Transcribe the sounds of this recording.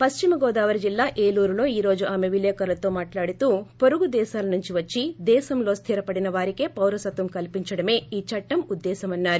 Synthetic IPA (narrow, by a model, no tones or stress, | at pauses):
pɐʃt͡ʃimɐɡɔːd̪aːʋɐɾid͡ʒilːaːʔeːluːɾulo̞ːiːɾo̞ːd͡ʒuʔaːme̞ʋileːkɐɾɐlɐt̪o̞ːmaːʈlaːɽit̪uːpo̞ɾuɡud̪ɛːʃaːlɐnuɲt͡ʃiʋɐt͡ʃːid̪ɛːsɐmlo̞ːst̪ʰiɾɐpɐɽinɐʋaːɾike̞ːpɐwɾɐsɐt̪ʋɐmkɐlpiɲt͡ʃɐɽɐme̞ːiːt͡ʃɐʈːɐmud̪ːɛːsɐmɐnːaːɾu